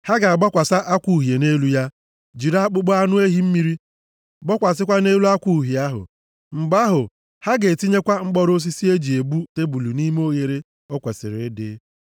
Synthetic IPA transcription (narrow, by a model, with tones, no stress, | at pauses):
ha˦ɡa˨a˨ɡ͡bɔ˦kʷa˨sa˦ʔa˦kʷu˨ɦje˨ne˦lu˦ja˦ | d͡ʒi˨ɾa˦k͡pʊ˦ɡ͡bɔ˦a˦nʊ˦e˦ɦi˦m̩˦mi˦ɾi˦ | ɡ͡bɔ˦kʷa˨s̬ɪ˦kʷa˦ne˦lu˦a˦kʷu˦˨ɦi˨a˦ɦʊ̰˨ | ŋ͡m̩˨ɡ͡ba˦ɦʊ˨ | ha˦ɡe˨ti˦ɲe˦kʷa˦ŋ͡m̩˦k͡pɔ˦ɾo˦s̬i˦si˦e˦d͡ʒi˨e˨bu˦te˦bu˨lu˨ni˦me˦o˦ɣe˨ɾe˦ | ɔ˦kʷe˨sɪ̰˨ɾɪ˨˦dɪ̰˦